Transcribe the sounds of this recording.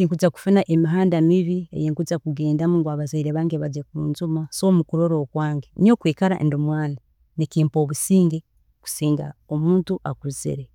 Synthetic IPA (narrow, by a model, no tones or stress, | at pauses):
iːŋkut͡saku̥funaʔemiɦaːndamiβiḛjeːŋkut͡sakuɡeːndamuŋɡwaβazaiɾeβaːŋɡeβad͡ʒekumṵːnzumasomukuɾoɾoːkwaːŋɡenio̞ːkweːkaɾa̰ʔḛndomwaːna | nekiːmpo̞ːβusiːŋɡe | ku̥siːŋɡa̰omuːntuʔakuɾuzḭɾe